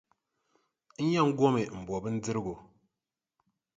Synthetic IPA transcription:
n̩˦ja˦ŋ̩˦ɡo˦me˨m̩˨bɔ˨bɨ˦n̩˦d͡zɨ˦ɾɡo˨

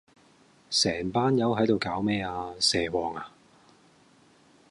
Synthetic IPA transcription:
sɛː˨˩ŋpaː˥njɐ˨˥wɦɐ˨˥jt̪o˨wkaː˨˥wmɛː˥aː˧sɛː˨wɔː˨ŋaː˧

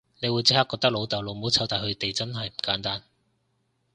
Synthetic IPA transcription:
ne˨˧jwuː˨˧jt͡sɪ˥k̚haː˥kːɔː˧kt̪ɐ˥k̚lo˨˧wt̪ɐ˨wlo˨˧wmo˨˥wt͡sʰɐ˧wt̪aː˨jhɵ˧ɥt̪e˨jt͡sɐ˥nɦɐ˨jm̩˨˩kaː˨˥nt̪aː˥n

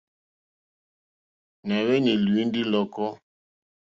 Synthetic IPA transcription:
na˨wɛ˦ni˨lwi˨˦n˦di˦lɔ˦kɔ˦

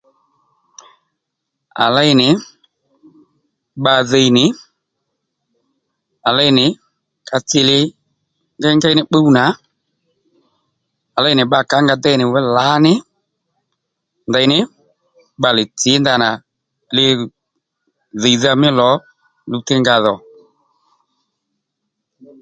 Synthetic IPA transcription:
a̰˨la˦ɪ˧nɪ˨˦ | ɓa˧ðe˧jnɪ˨˦ | a˨la˦jnɪ˨˦ | ka˧t͡sɪ˧lɪ˧ | ŋɡa˦ŋɡa˦jnɪ˦k͡pə˦u˦na˨˦ | a˨lɛ˦˨nɪ˨ɓa˨˧˨ka˨˦ŋɡa˧dɛ˦jnɪ˨wɛ˦la˨˦nɪ˦ | nda˧jnɪ˦ | ɓa˧˨lɪ˨t͡sɪ˨˦nda˧na˨ | lɪ˧ | ðe˨jða˧mɪ˦lɔ˨˦ | lu˧tɪ˦ŋɡa˧ðɔ˨

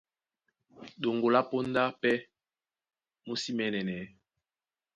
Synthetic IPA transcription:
ɗo˨ŋɡo˨la˦po˦n˦da˦pɛ˦ | mo˦si˦mɛ˦nɛ˨nɛ˨˦

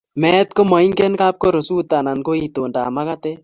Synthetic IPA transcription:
mɛː˦t̪ko˦mɔ˨i˦ŋɡe˦nka˦p̚ko˦ɾo˨suː˦t̪a˨na˨nko˦i˦t̪oː˨nda̰ː˨ma˦ka˦t̪e˦

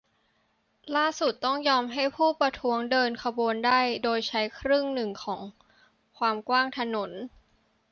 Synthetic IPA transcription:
laː˥˩su˨˩t̪ːɔ˥˩ŋjɔː˧mɦa˥˩jpʰuː˥˩pɾa˧t̪ʰu˦˥əŋdɤː˧nkʰa˧boː˧ndaː˥˩jdoː˧jt͡ɕʰa˦˥jkʰɾɯ˥˩ŋnɯ˨˩ŋkʰɔː˩˦ŋ | kʰwaː˧mkwaː˥˩ŋt̪ʰa˧no˩˦n

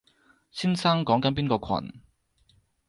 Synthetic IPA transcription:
siː˥nsɐ˥ŋkɔː˨˥ŋkɐ˨˦np̬iː˥nkɔː˧kʰɐ̰˨˩n

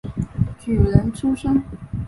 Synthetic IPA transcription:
t͡ɕy˨˩ɻə˧˥nʈ͡ʂʰu˥ʂə˥ŋ

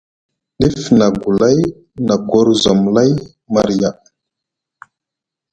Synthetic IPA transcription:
ɗi˦fna˨ɡu˨la˦j | na˨ɡɔ˦ɾzo˨mla˦j | ma˨ɾi˨ja˨

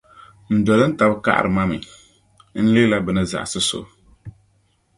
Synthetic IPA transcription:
n̩˨dɔ˨lɨ˦n̩˦ta˨bɨ˦ka̰˦ʔa̰˨ɾɨ˨ma˦mɨ̰˨ | n̩˦le˦la˦bɨ˨nɨ˦za̰˨ʔsɨ˦so̰˨

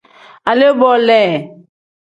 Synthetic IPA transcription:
a˨le˦bɔ˦lɛ˨

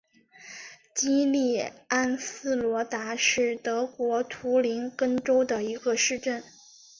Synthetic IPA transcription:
t͡ɕi˥li˥˩a˥nsɹ̩˥lwɔ˧˥t̪a˧˥ʂɻ̩˥˩t̪ɤ˧˥kwɔ˧˥t̪ʰu˧˥li˧˥nkə˥nʈ͡ʂo˥ʊd̪ə˨i˧˥ɡə˧ʂɻ̩˥˧ʈ͡ʂə˥˩n

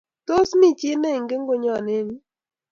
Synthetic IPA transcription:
to˦smi˦t͡ʃi˦me˦˨ŋ˨ɡɪ˦ŋ˦ɡʊ˦ɲɔ˦˨nɪ˦n˦

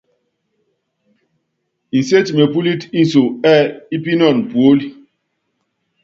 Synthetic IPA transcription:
i˨si˦e˦t͡ʃi˨me˨pu˦li˦ti˦so˨ɛ˦˨i˦p̬i˦nɔ˦˨n˨pu˨o˦li˦

